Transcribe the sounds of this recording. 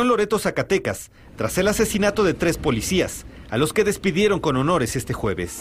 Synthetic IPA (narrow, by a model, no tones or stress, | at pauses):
onlo̞ɾe̞t̪o̞sakat̪e̞kas | t̪ɾase̞lase̞sinat̪o̞ðe̞t̪ɾe̞spo̞lisiasalo̞ske̞ðe̞spiðje̞ɾo̞ŋko̞no̞no̞ɾe̞se̞st̪e̞xwe̞βe̞̰s